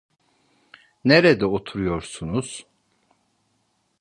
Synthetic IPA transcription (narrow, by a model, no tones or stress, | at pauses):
neɾɛd̪ɛot̪ʰuɾujo̞ɾsunuz̥